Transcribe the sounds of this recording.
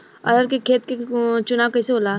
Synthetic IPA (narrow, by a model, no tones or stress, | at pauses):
ɐ̰ɾəɾk̬ekʰeːt̪̚ket͡ʃʊnaːwkɐseɦoːlaː